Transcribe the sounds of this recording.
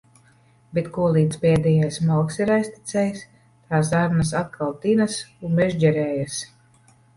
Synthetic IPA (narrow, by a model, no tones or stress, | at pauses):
bet̪kuɔlˠiːd̪t̪spɛːd̪ɛjajsmɔlˠksiɾajsʲt̪i̥t̪sɛjs | t̪aːsaɾnas̬at̪̚kʰalˠt̪inasunmɛʒd͡ʒɛɾɛːjas